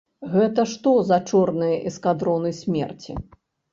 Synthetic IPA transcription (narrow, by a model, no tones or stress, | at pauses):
ɣɛt̪ɐʂt̪ɔzɐt͡ʂɔrnɨjɐʔɛskad̪ɾɔnɨjsʲmʲɛrt͡sʲḭ